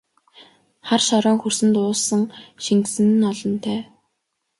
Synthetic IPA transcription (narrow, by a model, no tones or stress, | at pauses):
χarʃɔɾɔːŋxursɘ̆nt̪ʊːsə̆ŋʃiŋksɘ̆n̆ːnɔɮɞ̆nt̪ʰæː